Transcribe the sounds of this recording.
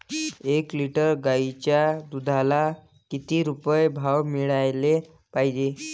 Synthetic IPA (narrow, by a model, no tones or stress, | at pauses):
ekliʈəɾɡait͡ɕjad̪ud̪ʱala | kit̪iːɾupəjbʱawmiɭajle | paɦid͡ʑe